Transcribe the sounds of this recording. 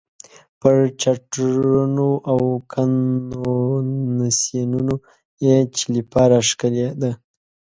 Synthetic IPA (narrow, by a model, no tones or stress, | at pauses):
pəɾt͡ʃaʈɾunoʔawkʰanonasenuno | et͡ʃilipɑɾaʂkaled̪a